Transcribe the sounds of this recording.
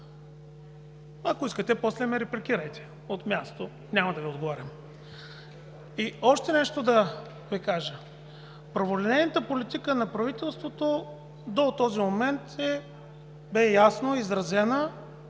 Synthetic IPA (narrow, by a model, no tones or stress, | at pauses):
ɐkoiskət̪ɛposlɛmɛɾɛplʲikiɾəjt̪ɛ̥ | ot̪mʲjast̪o | nʲamɐd̪ɐviod̪ɡovaɾʲɐm | iɔʃt̪ɛnɛʃt̪od̪ɐ | vikaʒə | pɾɐvolɛnɛjnət̪əpolit̪ikənɐpɾɐvit̪ɛlˠst̪vot̪o | d̪ot̪ɔzimomɛnt̪ɛ | bɛjasnoizɾɐzɛnə